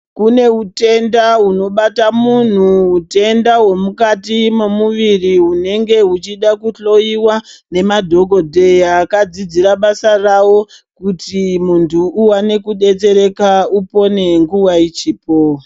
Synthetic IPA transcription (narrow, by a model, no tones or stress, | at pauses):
kune̞ute̞ndauno̞ɓatamun̤uːte̞ndaɦwo̞mukatimemuʋiriune̞ŋɡe̞ut͡ʃiɗakuɬo̞iwane̞madʱo̞ɡʱo̞dʱe̞jakad͡zid͡ziɾaɓasarawo̞ | kutimuntʰuuwane̞kuɗe̞t͡se̞ɾe̞kaupo̞ne̞ŋɡuwait͡ʃiːpo